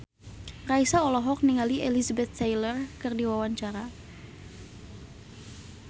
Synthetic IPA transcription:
raisaɔlɔɦɔk̚niŋaliʔelizabɛt̪̚ːajlərkɨrdiwawaɲt͡ʃaɾa

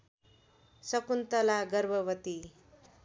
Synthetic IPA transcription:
sʌkunt̪ʌlaɡʌɾbʱʌʋʌt̪i

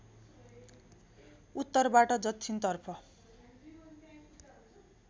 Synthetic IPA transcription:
ut̪ːʌrbaʈʌd͡zʌt̪ʰint̪ʌrpʰʌ

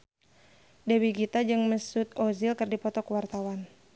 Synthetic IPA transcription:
dɛwiɡit̪ad͡ʒɨŋməsut̪̚ozilkərdipɔt̪ɔkəwart̪awan

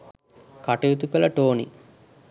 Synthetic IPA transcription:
kɐʈɐjut̪ukɐlɐʈoːnḭ

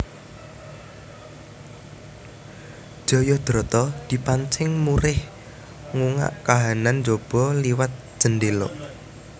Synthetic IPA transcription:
ʒ̥ɔ̤jɔd̪̥ɾɔt̪ɔd̪̥i̤paɲt͡ʃɪŋmuɾɪh | ŋuŋa̰ʔkaɦanand͡ʒob̥ɔ̤liwat̪̚d͡ʒ̥ənɖelɔ̰

